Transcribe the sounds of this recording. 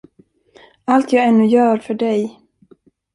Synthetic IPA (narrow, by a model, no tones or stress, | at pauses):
alt̪ʰjɑːɡɛnːɵjœːɾfœɖɛj